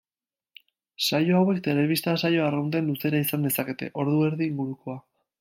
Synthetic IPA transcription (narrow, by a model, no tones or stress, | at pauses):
sajo̞awe̞kt̪e̞le̞βist̪asajo̞arownt̪enluse̞ɾaisand̪e̞sake̞t̪e̞̰ʔo̞ɾðue̞ɾðiːŋɡuɾuko̞a